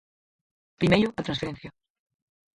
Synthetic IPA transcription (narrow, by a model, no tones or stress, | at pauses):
pɾimejɾoat̪ɾãsfeɾenθja